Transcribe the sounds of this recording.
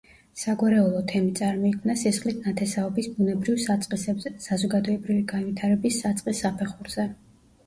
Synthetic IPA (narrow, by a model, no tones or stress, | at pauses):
saɡwaɾɛulˠɔt̪ʰɛmit̪sʼaɾmɔikʰmnasisχlit̪ʰnat̪ʰɛsaɔbisbunɛbɾivʼqʼiɛsazɔɡad̪ɔɛbɾiviɡanvit̪ʰaɾɛbisːat̪sʼqʼisːapʰɛχuɾz̥ɛ